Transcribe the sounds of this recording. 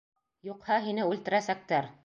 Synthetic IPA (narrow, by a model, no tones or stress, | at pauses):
juqhɑɦinɘʉlt̪ɘ̆ɾæsæk̚t̪æɾ